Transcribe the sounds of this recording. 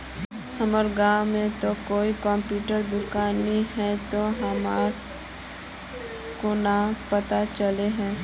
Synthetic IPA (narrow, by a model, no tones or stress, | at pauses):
həməɾɡãːwmẽt̪okoːikɔ̃mpjuːʈəɾd̪ʊkaːniɦɛt̪oɦəmaɾ | konapət̪at͡ʃəleɦɛ̃ː